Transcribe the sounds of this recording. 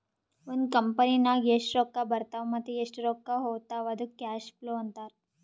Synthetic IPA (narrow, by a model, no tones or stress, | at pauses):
ʋənkəmpəninaɡeʂʈɾokːabɐɾt̪aʋməd̪ʱeeʂʈɾokːaɦot̪aʋɐd̪ʱukaɕploɐnt̪aɾ